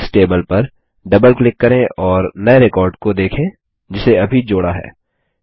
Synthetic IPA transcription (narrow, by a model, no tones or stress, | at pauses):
sʈeːbəlpɐɾ | ɖɐbəlklɪkːɐɾẽʔɔːɾnɐeɾekɔːɾɖkod̪eːkʰẽː | d͡ʒɪseɐbʱid͡ʒoːɽaɦɛ̰ː